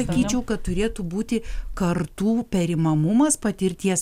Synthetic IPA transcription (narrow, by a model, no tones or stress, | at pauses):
ɐkʲiːt͡ʃʲɛʊkɐt̪t̪ʊɾʲeːt̪ubuːt̪ʲɪkɐrt̪uːpʲɛɾʲɪmɐmʊmɐspɐt̪ʲɪɾʲt̪ʲiɛs